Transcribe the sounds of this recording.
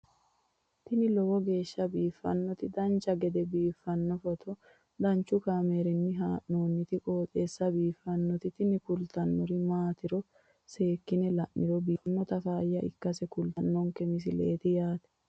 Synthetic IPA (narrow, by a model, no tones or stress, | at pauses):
t̪ɪnɪlɔwɔɡe̞ːʃːɐbiːfːɐ̰nːɔt̪ɪd̪ɐnt͡ʃːɐɡɛd̪ɛbiːfːɐnːɔfɔt̪ʰɔ | d̪ɐnt͡ʃːʊkaːmeɾɪnːɪɦaːʔnoːnːɪt̪ɪkʼoːt̪ʼeːsːɐbiːfːɐnːɔt̪ɪt̪ɪnɪkʊlt̪ɐnːɔɾɪmaːt̪ɪɾɔ | se̞ːkːɪnɛlɐʔːɪɾɔbiːɐnːɔt̪ɐfaːjːɐʔɪ̰kːɐsɛkʊlt̪ɐnːɔŋkɛmɪs̬ɪlḛːt̪ɪjaːt̪ɛ̥